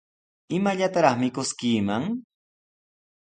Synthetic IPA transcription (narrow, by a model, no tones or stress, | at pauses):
ɪmaʎat̪aɾɑχmɪkʊskiːmaŋ